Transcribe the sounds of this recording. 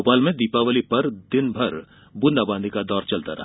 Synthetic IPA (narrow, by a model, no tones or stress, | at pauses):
opaːlmẽd̪iːpaʋəlipɐɾd̪ɪnbʱɐɾ | bʊ̃nd̪abãːnd̪ʱikad̪ɔːɾt͡ʃɐlt̪aɾʔɐ̰ɦ